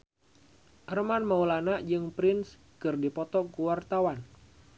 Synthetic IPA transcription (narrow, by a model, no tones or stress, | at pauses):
ʔərəmanmaulanaʔd͡ʒɨŋpɾɪns | kɨrdipɔt̪ɔkuwart̪awan